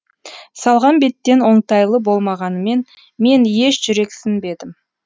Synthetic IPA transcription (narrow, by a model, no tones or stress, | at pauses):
sɑlˠʁɑnbe̞t̪ːe̞nwo̞ɴt̪ɑjlˠəbo̞lˠmɑʁɑnəme̞n | me̞nje̞ʃʒ̥ʏɾe̞ksɪnbe̞d̪ɪm